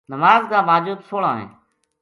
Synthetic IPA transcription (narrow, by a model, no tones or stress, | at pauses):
nəmaːzkãːmaːd͡ʒuːd̪soːɽãːɦḛ̃ː